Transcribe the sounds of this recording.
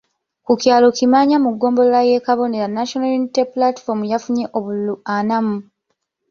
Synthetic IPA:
kucjaːlo̞kimaːɲamuɡːo̞ːmbo̞lolaje̞ːkaβo̞ne̞ɾanaʃonaljuniteplati̥fo̞ɾmujafuɲe̞ʔoβululuanamu

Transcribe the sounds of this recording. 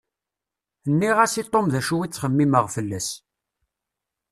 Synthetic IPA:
ənːiʁæsit̪ˤːomðæʃuwit͡sːχəmːiməʁfəlːæs

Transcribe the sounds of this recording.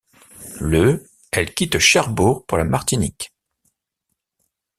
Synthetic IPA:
lə | ɛlkʲit̪ʃaʁbuʁpuʁlamaʁt̪inḭk

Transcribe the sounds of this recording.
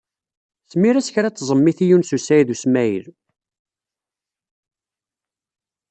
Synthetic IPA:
θmiɾæsçɾæt͡sːzˤəmːiθijunsusæjðusmæjə̰l

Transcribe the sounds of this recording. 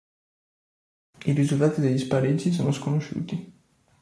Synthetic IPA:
iɾizult̪aːt̪id̪eʎːispaɾid͡ʒːis̬oːnoskonoʃṵːt̪i

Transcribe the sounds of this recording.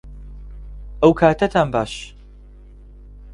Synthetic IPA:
ʔəwkʰaːt̪ʰɐt̪ʰaːnbaːʃ

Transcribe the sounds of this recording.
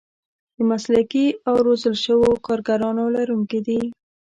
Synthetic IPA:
d̪əmaslakiawɾozəlʃəwokɑɾɡaɾɑnolaɾuŋked̪i

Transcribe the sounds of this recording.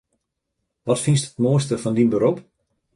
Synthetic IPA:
ʋɔtfinstətmoəstəfɔndinbəɾop

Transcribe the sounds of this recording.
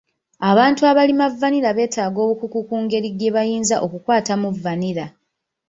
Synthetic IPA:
aβaːntuaβalimavːaniɾaβe̞ːtaːɡo̞ːβukukukuːŋɡe̞ɾiɡe̞βajiːnzaʔo̞kukwaːtamuvːaniɾa

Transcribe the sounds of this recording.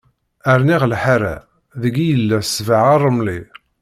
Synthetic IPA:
əɾniʁlħaɾæ̰ | ðəɡijəlːæsvaʕarˤːəmli

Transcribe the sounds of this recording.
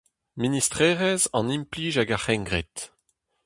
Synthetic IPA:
ministʁɛːʁɛzɑ̃nimpliːʒaɡaχɛ̃ŋɡʁet̪

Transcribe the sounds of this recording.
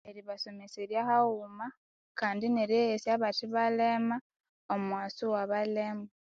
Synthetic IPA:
e̞ɾiβaso̞meseɾjahauma | kaːndineɾejesjaβatiβalema | omumwaːsiwaβalema

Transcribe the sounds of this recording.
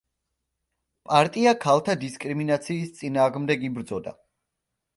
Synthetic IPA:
pʼaɾt̪ʼiakʰalˠt̪ʰad̪iskʼɾiminat̪sʰiːst̪sʼinaːʁmd̪ɛɡibɾd̪zɔd̪a̰

